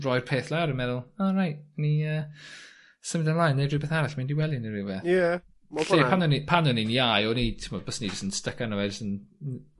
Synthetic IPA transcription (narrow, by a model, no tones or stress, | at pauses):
rɔjr̥pʰeːθlˠaɾəmɛðʊlˠɔrajt̚niəː | səmədanlˠajnːerɪbɛθaɾaɬmandiwɛlˠinerɪbɛθjɛ | mɬepʰanɔnipʰanɔniniajɔnitʰɪmɔd̚bɔsnid͡ʒəsənstəkanəwɛd͡ʒəsən